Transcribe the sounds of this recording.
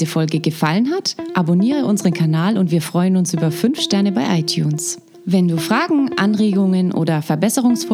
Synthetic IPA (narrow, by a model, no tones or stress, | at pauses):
zəfɔlɡəɡəfalənɦatʔaboniːʁ̞əʔʊnzəʁənkʰanaːlʊntv̥iːɐfʁ̥ɔʏənʊnsʔyːbɐfʏnfʃtɛɐnəbaɪʔaɪtʰjṵːns | vɛnduːfʁ̥aːɡŋ̩ʔanʁeːɡʊŋənʔo̰ːdɐfɛɐbɛsəʁ̞ʊŋsf